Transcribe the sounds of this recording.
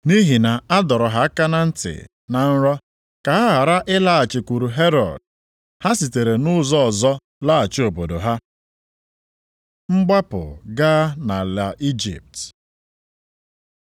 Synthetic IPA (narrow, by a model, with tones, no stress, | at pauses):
ni˦ɦi˨na˨a˦dɔ˨ɾɔ˨ɦa˦ka˦na˦n̩˦tɪ̰˨ | na˨n̩˦ɾɔ˦ | ka˨ɦa˦ɦa˨ɾa˦ʔɪ˦la˦a˨t͡ʃɪ˨kʷu˨ɾu˨ɦe˦ɾɔ̰˨d̚ | ha˦si˨te˨ɾe˨nʊ˦zɔ˦ɔ˨zɔ˦ | la˦a˨t͡ʃɪ˦o˨bo˨do˨ɦa˦ | ŋ͡m̩˦ɡ͡ba˦pʊ̰˨ɡaː˦na˨la˨ʔi˦d͡ʒḭ˨p̚t